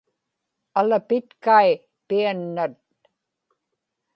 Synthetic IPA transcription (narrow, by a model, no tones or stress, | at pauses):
alapɪt̪kaj | pianːat̪̚